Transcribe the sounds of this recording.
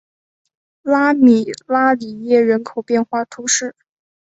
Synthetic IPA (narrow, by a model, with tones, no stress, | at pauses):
la˥mi˨˩la˥li˨˩jɛ˥˩ɻə˧˥nkʰo˨˩ʊpjɛ˥˧nxwa˥˩t̪ʰu˧˥ʂɻ̩˥˩